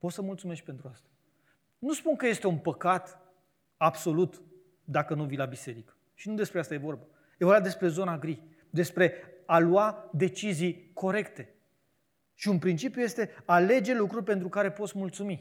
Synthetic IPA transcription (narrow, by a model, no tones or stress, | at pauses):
po̞t̪səmult̪sume̞sk̚pe̞nt̪ɾuast̪ḁ | nuspunkəje̞st̪e̞unpəkat̪ | abso̞lut̪ | d̪akənuvilabise̞ɾikə̥ | ʃinud̪e̞spɾeast̪aje̞vo̞rba | jevo̞rbad̪e̞spɾe̞zo̞naɡɾi | d̪e̞spɾe̞aluad̪e̞t͡ʃizijko̞ɾe̞kt̪e̞ | ʃiunpɾint͡ʃipjuje̞st̪e̞ale̞d͡ʒe̞lukɾurʲpe̞nt̪ɾukaɾe̞po̞t̪smult̪sumi